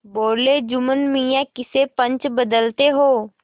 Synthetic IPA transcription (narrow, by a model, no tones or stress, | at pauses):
boːɾled͡ʒʊmənmijãkɪsepɐ̃ɲt͡ʃbɐd̪əlt̪eɦoː